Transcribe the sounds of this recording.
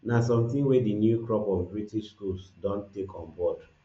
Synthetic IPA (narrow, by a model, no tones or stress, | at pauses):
nasɔ̃mθĩŋwedinjukɹɔpɔ̃nbɹitiʃskulsdɔ̃ntekʰɔ̃nbɔd